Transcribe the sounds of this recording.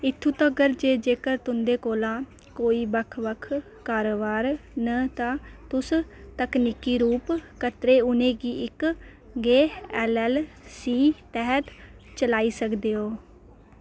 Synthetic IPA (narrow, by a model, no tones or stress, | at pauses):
ɪt̪ʰːũːt̪ãːɡəɾd͡ʒeːd͡ʒeːkəɾt̪ʊnd̪eːkoːlãː | koːiːbəkʰʋəkʰ | kaːɾoːʋaːɾnət̪ãːt̪ʊst̪əkniːkiːɾuːpkət̪ɾeːʊnẽːɡiːɪk | ɡeːɛːlɛːl | siːt̪ɛɦət̪t͡ʃəlaːiːsəkd̪eːoː